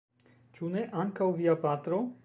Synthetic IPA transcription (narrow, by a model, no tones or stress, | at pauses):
t͡ʃuneʔaŋkawvijapaːt̪ɾo